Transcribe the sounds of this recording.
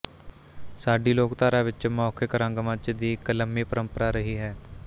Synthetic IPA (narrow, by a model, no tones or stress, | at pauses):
saːɖiːloːkt̪aːɾaːʋɪt͡ʃmɔːkʰekəɾə̃ŋɡmə̃t͡ʃd̪iːkələmːiːpəɾəmpəɾaːɾəɦiːɦɛː